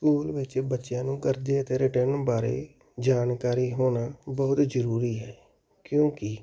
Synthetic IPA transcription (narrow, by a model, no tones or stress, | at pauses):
skuːlʋɪt͡ʃbətːʃjãːnũːkəɾd̪eːət̪eːɾɪʈənbaːɾḛː | d͡ʒaːnkaːɾiːɦoːnaːbɔːt̪zəɾuːɾiːɦɛː | kjõːkɪ